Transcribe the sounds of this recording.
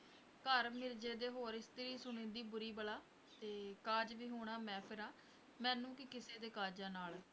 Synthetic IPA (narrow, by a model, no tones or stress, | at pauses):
kəɾmɪɾd͡ʒeːd̪eːɦoːɾɪst̪ɾiːsʊɳẽːd̪iːbʊɾiːbəlaː | t̪eːkaːd͡ʒʋiːɦoːɳ̃aːmɛ̃ːpʰɪɾãː | mɛ̃ːnũːkɪkɪseːd̪eːkaːd͡ʒãːnaːl